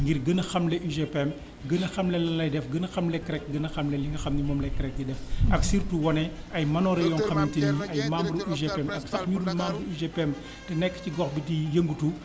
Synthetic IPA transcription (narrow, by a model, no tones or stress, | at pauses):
ŋɡiɾɡənɐxɐmlɛʔuʒepɛm | ɡənɐxɐmlɛlɐnlɐjdɛfɡənɐxɐmlɛkɾɛk̚ɡənɐxɐmlɛliŋɡɐxɐmnimɔːmlɐjkɾɛk̚nidɛfɐksirtuwɔnɛ | ɐjmɐnɔːɾɛjɔnxɐmnitiniʔɐjmambluʔuʒepɛmɐksɐxɲudulmaːmbluiʒepɛm | tɛnɛkːə̥ciɡɔxbitijəŋɡutu